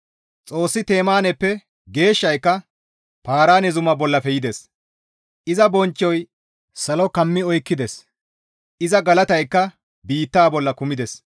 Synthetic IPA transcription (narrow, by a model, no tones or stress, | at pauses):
t͡sʼo̞ːsːɪt̪e̞ːmaːnɛpːɛ | ɡe̞ːʃːɐjkːɐ | paːɾaːnɛzʊmɐbɔlːɐfɛjɪd̪es | ʔɪzɐbɔnt͡ʃːɔj | sɐlɔkɐmːɪɔjkːɪd̪ɛs | ʔɪzɐɡɐlɐt̪ɐjkːɐ | biːt̪ːaːbɔlːɐkʊmɪd̪ɛs